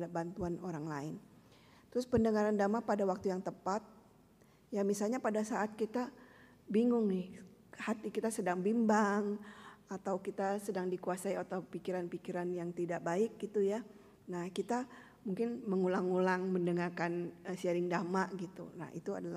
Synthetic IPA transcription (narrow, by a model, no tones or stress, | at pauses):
dabant̪uanoɾaŋlaɪn | t̪ɾʊspəndəŋaɾandamapadawak̚t̪ujaŋt̪əpat̪̚ | jamisalɲapadasaʔːt̪̚kit̪a | biŋʊŋnɪhhat̪ikit̪asədaŋbimbaŋat̪awkit̪asədaŋdikuasaiat̪awpikiɾanpikiɾanjaŋt̪idaʔbaɪk̚ɡit̪uja | nahkit̪a | muŋkɪnməŋulaŋulaŋməndəŋarkanəsiaɾɪŋdamaʔɡit̪ṵna̰hḭt̪ua̰dala